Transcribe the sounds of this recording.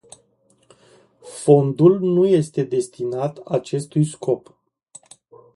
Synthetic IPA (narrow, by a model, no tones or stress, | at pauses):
fo̞nd̪ulnuje̞st̪e̞d̪e̞st̪inat̪at͡ʃe̞st̪ujskʰo̞p